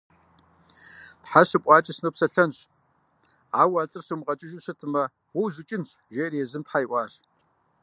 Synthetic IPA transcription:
tħaɕɨpʷʼɑːt͡ʃʼɐsnopsɐɬɐnɕ | aːwaːɬʼɨrsumʁɐt͡ʃʼɪʒɪsɨtʰɨmɐ | wɐwzɨt͡ʃʼɪnɕ | ʒereːzɨmtħajʔʷɑːr

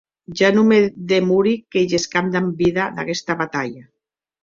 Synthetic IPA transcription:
ʒanumeðemuɾikeʒeskamd̪ambiðaða̰kest̪aβat̪aʎa

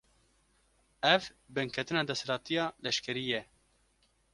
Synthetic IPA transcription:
ɛvbɨŋkʰɛt̪ɨnɑːd̪ɛslɑːt̪ijɑːlɛʃkʰɛɾijɛ

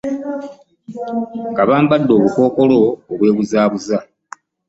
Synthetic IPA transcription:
ɡaβaːmbadːo̞ːβuko̞ːko̞lo̞ːβwe̞ːβuzaːβuza

